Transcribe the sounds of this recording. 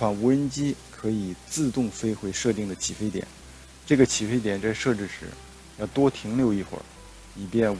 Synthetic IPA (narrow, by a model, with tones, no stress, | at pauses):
fɑ˧˥ŋu˧˥ə˥nt͡ɕi˥kʰɤ˧˥i˨˩t͡sɹ̩˥˧t̪ʊ˥˩ŋfe˥ɪxwe˧˥ɪʂɤ˥˧t̪i˥˩ŋd̪ə˩t͡ɕʰi˨˩fe˥ɪt̪jɛ̰˨˩˦n | ʈ͡ʂɤ˥˩ɡə˩t͡ɕʰi˨˩fe˥ɪt̪jɛ˨˩nt͡sa˥˧ɪʂɤ˥˧ʈ͡ʂɻ̩˥˩ʂɻ̩˧˥ | jɑ˥˩ʊt̪wɔ˥t̪ʰi˧˥ŋljo˥˧ʊi˥˩xwə̰˨˩˦ | i˨˩pjɛ˥˩n